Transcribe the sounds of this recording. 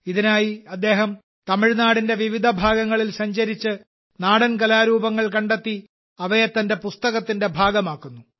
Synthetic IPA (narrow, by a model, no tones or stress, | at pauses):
iðinaːjiɐd̪ːe̞ːɦɐm | t̪ɐmiɻnaːɽinde̞ʋiʋid̪ʱɐbʱaːɡɐŋːɐɭilsɐɲd͡ʑɐɾit͡ɕːɨ | naːɽɐnkɐlaːɾuːbɐŋːɐɭkɐɳɖe̞t̪ːi | ɐʋɐjɐt̪ːɐnde̞pust̪ɐɣɐt̪ːinde̞bʱaːɡɐmaːkːunːu